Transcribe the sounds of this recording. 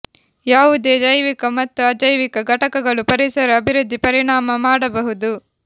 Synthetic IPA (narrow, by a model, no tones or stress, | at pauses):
jaːʋud̪eːd͡ʒɐjʋikɐmɐt̪ːuɐd͡ʒɐjʋikɐɡʱɐʈɐkɐɡɐɭupɐɾisɐɾɐɐbʱiɾud̪ʱːipɐɾiɳaːmɐmaːɽɐbɐɦud̪u